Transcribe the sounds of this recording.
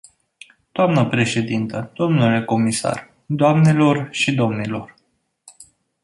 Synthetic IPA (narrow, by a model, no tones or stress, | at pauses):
d̪̥oamnəpɾe̞ʃe̞d̪int̪əd̪̥o̞mnule̞ko̞misa̰r | d̪oamnelo̞rʃid̪o̞mnilo̞r